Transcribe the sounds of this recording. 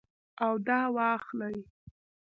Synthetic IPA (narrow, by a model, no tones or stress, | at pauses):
awd̪ɑwɑxlaj